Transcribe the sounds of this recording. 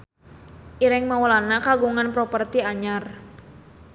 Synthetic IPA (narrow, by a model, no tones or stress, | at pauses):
ʔiɾɛŋmawɔlanakaɡuŋanpɾɔpərt̪iaɲar